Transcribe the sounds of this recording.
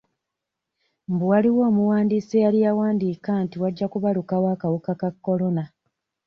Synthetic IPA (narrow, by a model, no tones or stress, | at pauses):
mbuwaliwo̞ːmuwaːndiːsejalijawaːndiːkantiwaɟːakuβalukawaːkawukakakːo̞lo̞na